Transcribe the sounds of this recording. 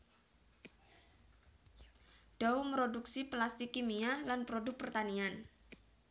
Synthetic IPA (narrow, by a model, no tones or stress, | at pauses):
d̥aumɾoduksiplast̪ikimialanpɾodʊk̚pərt̪anian